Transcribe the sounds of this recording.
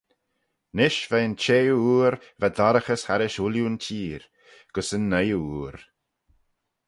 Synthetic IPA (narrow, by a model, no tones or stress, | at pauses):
nɪʃvɛnt͡ʃeːuːɾvad̪aɾəxəshaɾɪʃuljuntʰiːɾ | ɡ̥əsənːəjəuːɾ